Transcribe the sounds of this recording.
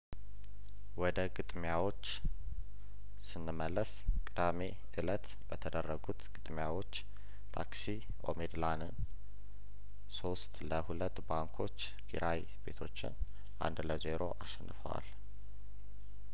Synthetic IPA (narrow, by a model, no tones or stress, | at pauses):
wɔd̪əɡɨt̪ʼmjawo̞t͡ʃː | sɨnːɨməlːəskʼɨd̪ame | ʔɨlət̪ | bət̪ʰəd̪ərːəɡut̪ɡ̥ɨt̪ʼmjawo̞t͡ʃː | t̪ʰa̰ksi | ʔo̞̰med̪lanɨn | so̞st̪ləhulət̪ːbaŋkʰo̞t͡ʃː | kʰḭɾʔaj | be̞t̪ʰo̞t͡ʃːɪ̰n | ʔa̰nd̪ləze̞ɾo̞̰ʔaʃɛnːɨfəwa̰l